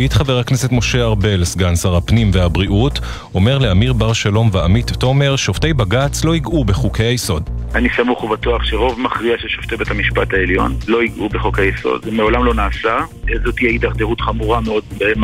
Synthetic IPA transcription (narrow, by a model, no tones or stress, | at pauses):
it̪χaveʁakne̞se̞t̪mo̞ʃe̞aʁbe̞lsɡansaʁhapnimvehabʁiʔut | o̞me̞ʁle̞amiʁbaʁʃalo̞mvaamitːo̞me̞ʁʃo̞ftejbaɡat͡slo̞iɡʔube̞χukʰejajeso̞danisamuχuvat̪oaχʃeʁo̞vmaχʁiaʃeʃoft̪ebethamiʃpathaeljo̞̰nlo̞iɡʔubeχokejjeso̞̰dmeo̞lamlo̞naːsaezot̪iaid̪aʁd̪eʁutχamuʁameo̞dbem